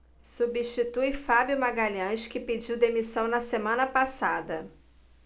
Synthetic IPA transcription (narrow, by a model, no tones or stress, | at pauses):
subiʃt͡ʃit̪ujfabjʊmaɡaʎɐ̃ʃkɪped͡ʒiwd̪emisɐ̃w̃nɐsemɐ̃nɐpasad̪ɐ